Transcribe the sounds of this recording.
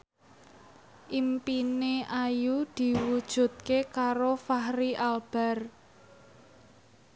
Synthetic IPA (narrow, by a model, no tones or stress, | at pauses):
ʔimpineʔajud̪̥i̤wud̥ʒ̥ṳt̪̚kekaɾofahɾiʔalb̥a̤r